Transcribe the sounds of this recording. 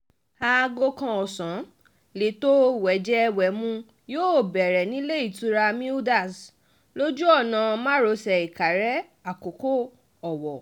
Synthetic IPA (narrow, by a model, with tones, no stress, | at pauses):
a˦˧ɡo˧kã˧ɔ˨sã˨˦ | le˨˦to˦wɛ˨˦d͡ʒɛ˦˧wɛ˨˦mũ˧ | joː˦˨bɛ˨ɾɛ˨nĩ˨˦le˦i˦˨tu˨˦ɾa˧mĩ˦da˦˨s | lo˦d͡ʒu˦ɔ˦˨nã˨˧mã˦ɾo˧sɛ˧˨i˨ka˨ɾɛ˦ | a˨ko˨ko˦ | ɔ˨wɔ˨